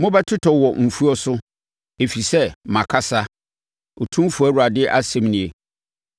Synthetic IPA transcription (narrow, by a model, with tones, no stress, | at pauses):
mʊ̃˦bɛ˦tʰɪ˦tʰɔ˨wɔ˨m̩˨fu˦ɔ˦sʊ˦ | e˨fi˨sɛ˦mã˨kʰa˦sa˦ | o˨tʰũ˦m˦fu˨æ˦wu˨ɾa˨dɪ˦ʔa˦sɛ̃˦m˦nɪ̃˨e˨